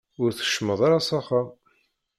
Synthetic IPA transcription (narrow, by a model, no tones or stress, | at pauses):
ʊɾθə̥ʃːməðˤɑɾɑsɑχa